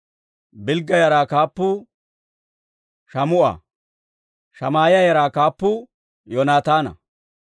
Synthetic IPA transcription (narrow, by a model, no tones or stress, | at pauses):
bɪlɡːɐjɐɾaːkaːpːʊ | ʃɐmʊʔɐ̰ | ʃɐmaːjɪjɐjɐɾaːkaːpːʊ | jɔnaːt̪aːnɐ̰